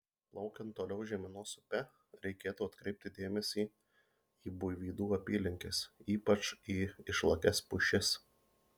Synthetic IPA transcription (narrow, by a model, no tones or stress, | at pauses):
lˠɒʊkʲɛnt̪ːoːlʲɛʊʒʲɛmʲɪnoːsʊpʲɛ | ɾʲɛɪkʲeːt̪uːɐt̪kɾʲɛɪp̚ʲt̪ʲɪd̪ʲeːmʲɛsʲiː | iːbʊjʋʲiːd̪uːɐpʲiːlʲɪŋʲkʲɪsiːpɐt͡ʃiːɪʃlˠɐkʲɛspʊʃʲɪs